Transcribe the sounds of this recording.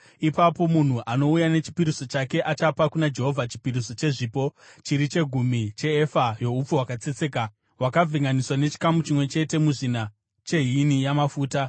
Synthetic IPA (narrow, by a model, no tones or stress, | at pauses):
ipapo̞mun̤uʔano̞ujane̞t͡ʃi̥piɾiso̞t͡ʃake̞ʔat͡ʃapakunad͡ʒe̞ɦo̞vʱat͡ʃi̥piɾiso̞t͡ʃe̞ʐiːpo̞t͡ʃiɾit͡ʃe̞ɡʱumit͡ʃe̞ːfajo̞up͡fuɦwakat͡set͡se̞ka | ɦwakab͡vʱiŋɡaniswane̞t͡ʃi̥kamut͡ʃimwe̞t͡ʃe̞te̞muʐina | t͡ʃe̞ɦinijamafuːta